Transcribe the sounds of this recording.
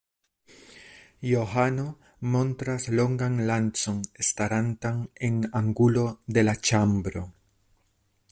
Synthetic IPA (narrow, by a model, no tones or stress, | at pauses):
jo̞ɦano̞ | mo̞ntɾaslo̞ŋɡanlant͡so̞nestaɾantane̞naŋɡulo̞de̞lat͡ʃambɾo̞̰